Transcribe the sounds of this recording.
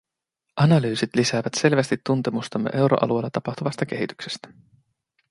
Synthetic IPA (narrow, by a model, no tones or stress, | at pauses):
ʔɑnɑlyːsit̪lisæːʋæt̪se̞lʋæst̪it̪ːunt̪e̞must̪ɑmːḛʔe̞wɾʔo̰ʔɑ̰lue̞lːɑt̪ɑpɑxt̪uʋɑst̪ɑk̟e̞ɦit̪y̥kse̞̥st̪æ̥